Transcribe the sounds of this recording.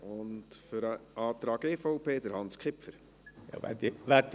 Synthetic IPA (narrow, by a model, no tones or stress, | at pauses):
ʊntfʏɾəʔɑːt̪ɾɑːɡ̥eːfɔʊpeːd̥̪əɾhɑnskʰɪpfəɾ | jɑ̰ʋɛ̰iʋæt̪